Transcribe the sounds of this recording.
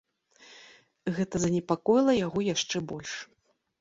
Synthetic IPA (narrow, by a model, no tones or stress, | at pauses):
ɣɛt̪ɐzɐnʲɛpakɔjilˠɐjaɣɔjaʂt͡ʂɛbɔlʲʂ